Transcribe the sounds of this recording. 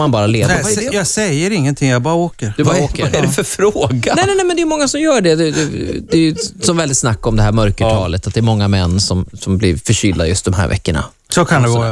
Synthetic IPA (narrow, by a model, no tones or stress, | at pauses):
manbɑːɾaleːjɑɡsɛjːəɾɪŋːənt̪ʰɪŋjɑɡbɑːɾaoːkəɾd̪ɵboɛdɛfœɾfɾooːɡaɛnɛnɛːmɛnd̪ɛjʏmɔŋːasɔmjœːɖɛd̪ɛd̪ɛd̪ɛjɵsɔmvɛld̪ɪt̪snakːɔmd̪ɛɦæːɾmœɾkəɑːlət̪at̪̚d̪ɛɛɾmɔŋːamɛnːsɔmsɔmblɪɾfœɕʏːlːajɵst̪d̪ɔmɦæ̰ɾvɛ̰kːəɳa̰ | sɔkʰand̪ɛɡ